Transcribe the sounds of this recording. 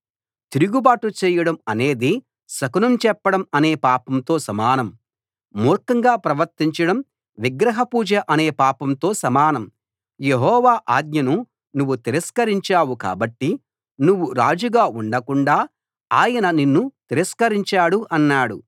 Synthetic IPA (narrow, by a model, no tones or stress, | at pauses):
t̪iɾuɡubaːʈut͡ʃɛːjɐɽɐmɐne̞ːd̪i | sɐkunɐmt͡ʃɛpːɐɽɐmɐne̞ːpaːpɐmt̪o̞ːsɐmaːnɐm | muːɾkɐŋɡaːpɾɐʋɐɾt̪iɲt͡ʃɐɽɐm | ʋiɡɾɐɦɐpuːd͡ʒɐʔɐne̞ːpaːpɐmt̪o̞ːsɐmaːnɐm | jeɦɔːʋaːʔaːd̪̚ɲjɐnu | nuʋːut̪iɾɐskɐɾiɲt͡ʃaːwuka̰ːbɐʈːi | nuʋːuɾaːd͡ʒuɡaːuɳɖɐkuɳɖaː | aːjɐnɐninːut̪iɾɐskɐɾiɲt͡ʃaːɽuʔɐnːaːɽu